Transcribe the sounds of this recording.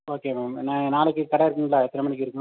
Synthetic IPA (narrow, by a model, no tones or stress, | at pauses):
oːkeːmaːmnaːnaːlɛkːɯkɐɽɐɪɾɯkːɯŋɡɐlaːɛt̪ːɪnɐmɐːnɪkːɯɪɾɯkːʊ̃